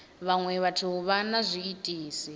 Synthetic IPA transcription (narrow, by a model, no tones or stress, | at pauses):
βaŋwɛβatʰuβanazʷiːtʼiːsi